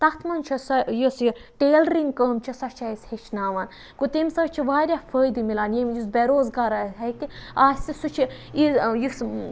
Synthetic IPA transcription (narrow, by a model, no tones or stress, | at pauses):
t̪ɐt̪ʰmɐnt͡ʃʰɐsɐjusʈeːlɾiŋɡkəːmt͡ʃʰɐsɐt͡ʃʰajishet͡ʃʰnaːʋaːn | kot̪emsɐt͡ʃʰiʋaːɾʲafʰəːjd̪ɨmilaːnjimjusbʲeɾoːzɡaːɾasɐt̪iaːsʲsisut͡ʃʰi | ijus